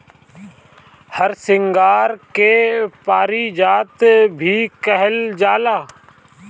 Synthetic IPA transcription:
həɾsɪ̃ŋɡaːɾkepaːɾid͡ʒaːt̪bʱiːkəɦəld͡ʒaːlaː

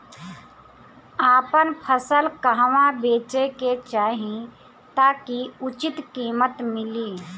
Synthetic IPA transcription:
aːpənpʰəsəlkəɦʋãbeːt͡ʃeket͡ʃaːɦĩ | t̪aːkiʊt͡ʃɪt̪kiːmət̪mɪliː

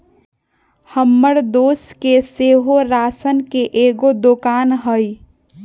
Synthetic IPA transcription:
həmːəɽd̪oːskeseːɦoɾaːsənkeʔeːɡod̪okaːnɦəi

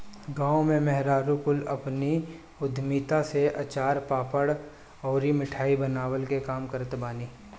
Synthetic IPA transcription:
ɡãːõmẽmɛɦɾaːɾukʊlɐpni | ʊd̪ʱmiːt̪aseʔɐt͡ʃaːɾpaːpəɽ | ɔːɾimɪʈʰaːibənaːwəlkekaːmkəɾət̪baːniː

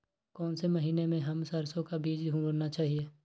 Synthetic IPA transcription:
kɔːnsemɐɦiːnemẽɦɐmsəɾsõkabiːd͡ʒɦũɡəɾnat͡ʃaːɦieː

